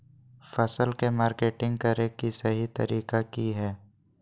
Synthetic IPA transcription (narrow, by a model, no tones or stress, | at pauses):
fɐsəlkemaːɾkeːʈɪ̃ŋɡ̚kɐɾekisɐɦit̪ɐ̰ɾiːkakiɦɛː